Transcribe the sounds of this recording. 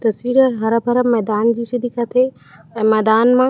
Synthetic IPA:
t̪ɐsʋiːɾəɾɦɐɾəpɐɾəmɛːd̪aːnd͡ʑiːsid̪ikʰɐt̪ʰe | ɛ̃ːmɛːd̪aːnmã

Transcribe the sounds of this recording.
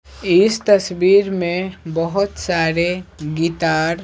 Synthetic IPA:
ɪst̪ɐswiːɾmẽbəɦʊt̪saːɾeɡiːt̪aːɾ

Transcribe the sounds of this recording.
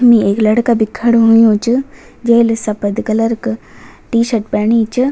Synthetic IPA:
mieːklɐɽkabikʰːɐɽɦʊjũt͡ʃɨ | d͡ʒeːlsɐpəd̪kɐlɐɾk | ʈiːʃɐɾʈ̚pɐːɳ̃iːt͡ʃɨ

